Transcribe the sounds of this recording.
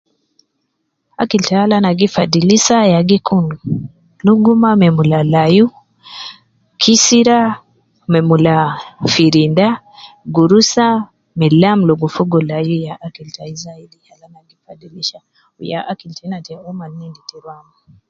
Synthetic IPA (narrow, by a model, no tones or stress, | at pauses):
akiltahalanaɡifadilisajaɡikʰunu | luɡumamɛmulalaju | kʰisiɾa | mɛmulafiɾinda | ɡuɾusa | mɛlamluɡufuɡɔlajujaʔakiltaizaidihalanaɡifadiliʃa | uja̰ʔakiltanatɛɔmanːinditiɾwama